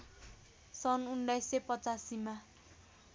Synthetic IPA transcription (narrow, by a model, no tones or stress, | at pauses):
sʌnuɳɖajsepʌt͡sasima